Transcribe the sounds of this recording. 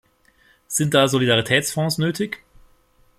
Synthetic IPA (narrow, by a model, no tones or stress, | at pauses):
z̥ɪnt̚d̥aːzolidaʁitʰɛːt͡sfɔ̃ːsnøːtʰɪç